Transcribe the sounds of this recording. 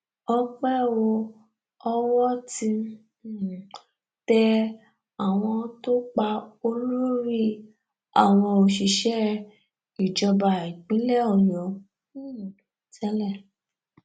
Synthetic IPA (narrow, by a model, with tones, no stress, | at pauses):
ɔ˧k͡pɛ˦˨wo˧ | ɔ˧wɔ˦ti˧˦˨ | tɛ˧ | a˨w̃ɔ̃˧to˦k͡pa˧o˧lo˦ɾi˦˨ | a̰˨w̃ɔ̃˧o˧ʃi˧˨ʃɛ˦ | i˨d͡ʒɔ˧ba˨i˨k͡pĩ˨˦lɛ˦ɔ˦˨jɔ̃˨˦˨ | tɛ˦lɛ˦˨